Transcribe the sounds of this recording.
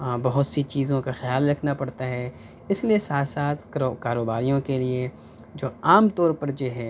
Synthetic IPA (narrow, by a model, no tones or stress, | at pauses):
bɐɦʊt̪sit͡ʃiːzõkaxɪjaːlɾɐkʰnapɐɽt̪aɦɛ | ɪsliesaːt̪ʰsaːt̪ʰkːkaːɾoːbaːɾijõkelie | d͡ʒoːaːmt̪ɔːɾpɐɾd͡ʒoːɦɛ